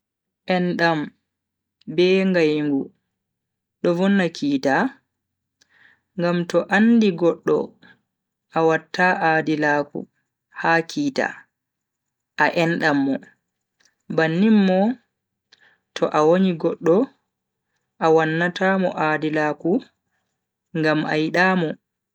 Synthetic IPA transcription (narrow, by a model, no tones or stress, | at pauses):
ʔɛnɗam | bɛːŋɡajŋɡu | ɗɔvɔnːakʰiːta | ŋɡamtɔʔandiɡɔɗːɔ̰ | ʔawatːaːʔadilaːkṵ | hakʰiːta̰ | ʔaʔɛnɗamːɔ | banːimːɔ | tʰɔʔawoniɡɔɗːɔ | ʔawanːataːmɔ̰ʔadilaːku | ŋɡama̰jiɗaːmɔ